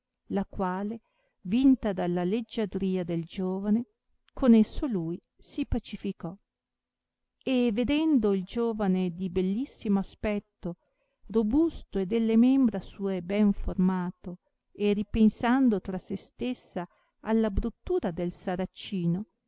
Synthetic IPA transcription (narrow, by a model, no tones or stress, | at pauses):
lakwaːle | vint̪ad̪alːaled͡ʒːad̪ɾiːad̪eld͡ʒoːvane | kʰonesːoluːj | sipat͡ʃifikɔ | eved̪ɛnd̪oild͡ʒoːvaned̪ibelːisːimoaspɛt̪ːo | robust̪oed̪elːemɛmbɾasuːebɛɱformaːt̪o | eripensand̪ot̪ɾasest̪esːa | alːabɾut̪ːuːɾad̪elsaɾat͡ʃːiːno